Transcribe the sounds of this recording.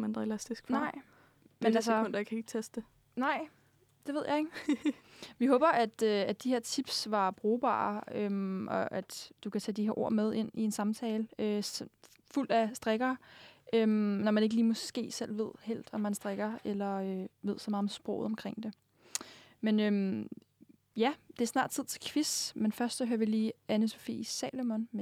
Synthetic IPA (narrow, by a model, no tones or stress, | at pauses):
mændelæsd̥isɡ̥fnɑɪ̰ | menælskɔ̽n̰d̥ɐjakʰæe̝ɡ̥̚t͡sʰesd̥d̥e | nɑ̈ɪ̰ | d̥e̝ʋe̝ð̞̰ˠjɑ̈ɪe̝ɡ̥ | ʋiɦɔ̽ːb̥ɐʔæd̥øæd̥ihe̝ɐ̰t͡sʰib̥sʋɑ̈b̥ʁoːb̥ɑ̰̈ːømʔɒ̽ʔæd̥d̥ukʰæt͡sʰæd̥iheɐʔo̝ɐ̰með̞ˠe̝n̰ie̝nsɑ̈mt͡sʰɛːləø | ful̰d̥æsd̥ʁaɡ̥ɐːʔømnɒmæne̝ɡ̥əliːmɔ̽sɡ̥e̝̰ːsel̰ʋe̝ð̞̰ˠhel̰d̥ɒ̽mhænsd̥ʁaɡ̥ɐelɐøʋe̝ð̰ˠsɒmɑːð̩ˠmesb̥ʁɔ̰ʊð̩ˠɒ̽mkʰʁeŋ̰d̥e̝ | menøm | jæd̥e̝æɐsnɑ̰̈ːd̥t͡sʰið̰ˠt͡sʰe̝kʰʋismenfɶɐsd̥sɒɦøɐʋiliːænəso̝fḭːisɛ̰lomn